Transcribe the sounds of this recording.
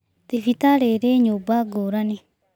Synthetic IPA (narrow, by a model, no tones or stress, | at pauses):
t̪ifit̪aɾeɾeɲobaɡoɾani